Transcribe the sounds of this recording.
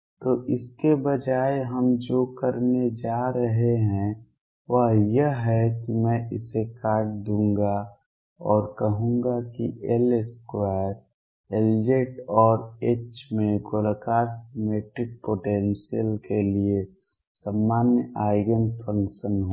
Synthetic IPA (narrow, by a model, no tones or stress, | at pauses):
t̪oːʔɪskebəd͡ʒaːeɦəmd͡ʒoːkəɾned͡ʒaːɾəɦeɦɛ̃ | ʋəɦjəɦɛkimɛ̃ʔɪsekaːʈ̚d̪ũːŋɡa | ɔːɾkəɦũŋɡakḭʔeleskwaɾ | eld͡ʒeːʈɔːɾeːt͡ʃmẽɡoləkaːɾsmeːʈɾɪk̚poːʈẽːnsiəlkelie | samːaːnjəʔaːɪɡənpʰə̃ŋkʃənɦo